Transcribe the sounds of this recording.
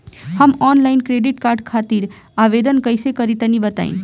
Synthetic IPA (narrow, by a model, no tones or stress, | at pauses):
həmɔnlaɪnkɾeɖiʈkaɾɖkʰat̪iɾ | aʋed̪ənkəjsekəɾit̪ənibət̪a̰ḭn